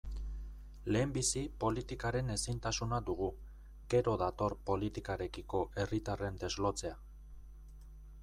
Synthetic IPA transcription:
le̞ːmbisipo̞lit̪ikaɾe̞ne̞sint̪asunad̪uɣ̞u | ɡ̥e̞ɾo̞ðat̪o̞ɾpo̞lit̪ikaɾe̞kiko̞ʔe̞rit̪are̞nd̪e̞zlo̞t͡se̞a

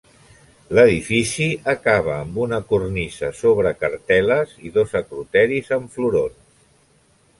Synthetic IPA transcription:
ləðifisiəkaβ̞əːmbunəkurnisəsoβ̞ɾəkəɾt̪ɛləziðozəkɾut̪ɛɾizəɱfluɾon

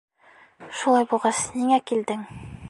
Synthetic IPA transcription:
ʃulˠɑjbulˠʁɑsniŋækild̪ɘŋ

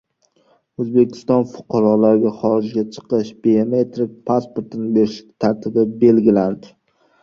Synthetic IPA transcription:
ɵzbe̞kʲʰɪ̥st̪ɒnfʊ̥qʰɑɾɒlaɾɡʲaχɒɾɪd͡ʒɡʲat͡ʃʰɨ̥qɨʃbeomet̪ʰɾɪk̚ʲpʰaspoɾt̪ɪnɪbeɾɪʃɪ̥t̪ʰaɾt̪ʰɪbɪbe̞lɡʲɪland̪ɪ

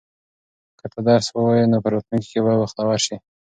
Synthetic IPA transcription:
kət̪ad̪ɑɾswəwajinopəɾat̪luŋki̥kebawaxt̪awaɾʃi

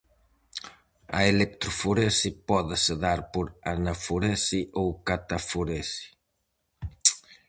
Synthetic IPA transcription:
ɐelek̚t̪ɾufuɾesipɔðɪseðaɾpoɾanafuɾɛsiʔowkat̪afuɾesi̥

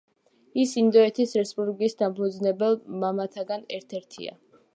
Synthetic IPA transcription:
isind̪ɔɛt̪ʰisɾɛspʼulikʼisd̪ampʰud̪znɛbɛlˠmamat̪ʰaɡanɛɾt̪ʰɛɾt̪ʰḭa̰

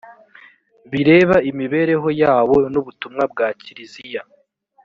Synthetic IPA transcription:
βiɾe̞ːβaimiβe̞ɾe̞ɦo̞jaːβo̞nuβutumŋab̚ɡaːciɾizija

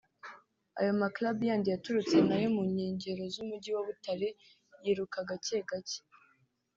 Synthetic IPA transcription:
a̰jo̞maklabujaːndijatuɾut͡se̞najemuɲeːɲɟe̞ɾo̞zumuɟiwaβutaɾe̞ | jiːɾukaɡaceɡace̥

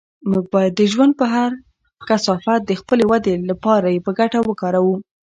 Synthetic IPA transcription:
muɡ̚bad̪əʒwand̪̚pəɦaɾ | kasɑfat̪̚d̪əxpəlewad̪elapɑɾajepəɡaʈawəkɑɾawu

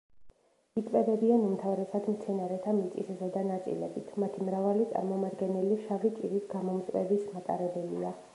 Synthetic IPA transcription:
it̪ʼvɛbɛbianumt̪ʰavɾɛsad̪mt̪sʰɛnaɾɛt̪ʰamit̪sʼiszɛd̪anat̪sʼḭlɛ̰bit̪ʰmat̪ʰimɾavalit̪sʼa̰ɾmɔmad̪ɡɛnɛliʃavit͡ʃʼiɾisɡamɔmt̪ʼvɛbismat̪ʼa̰ɾɛbɛlia

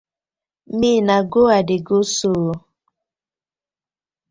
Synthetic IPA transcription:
miːnaɡoadɪɡosoː

